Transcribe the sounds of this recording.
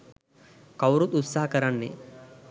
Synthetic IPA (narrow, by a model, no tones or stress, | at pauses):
kɐwɾut̪ut̪saɦɐkɐɾɐnːḛ